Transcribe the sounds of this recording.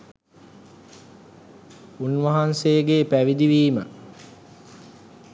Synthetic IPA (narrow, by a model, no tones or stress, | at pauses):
unʋɐɦanseːɡeːpæʋid̪iʋiːmə̰